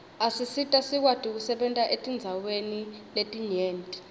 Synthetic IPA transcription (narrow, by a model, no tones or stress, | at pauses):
asisitʼasik̬watʼik̬usɛɓɛntʼaʔetʼind͡zʱaweniletʼiɲeːntʼi̥